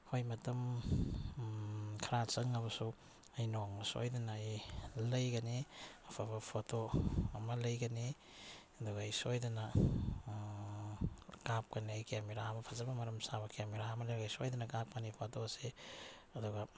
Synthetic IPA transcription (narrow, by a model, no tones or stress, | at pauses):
hojmɐtɐm | kʰɐɾat͡ʃɐŋɐβɐsu | ɐjnoŋnɐso̰jdɐnɐjlɐjɡɐniɐpʰabɐpʰotoɐmɐlɐjɡɐni | ɐduɡɐːjsojdɐnɐ | kap̚kɐnijkʰiamiɾaɐmɐpʰɐzɐbɐmɐɾɐmsabɐkʰeamiɾamɐlejɡajsojdɐnɐkap̚kɐnipʰotose | ɐduɡɐ